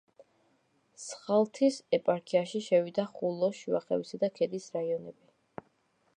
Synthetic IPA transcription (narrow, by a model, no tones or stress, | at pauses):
sχalˠt̪ʰisɛpʼaɾkʰiaʃiʃɛvid̪aχulˠɔʃiaχɛ̰visad̪akʰɛd̪isɾaiɔnɛbi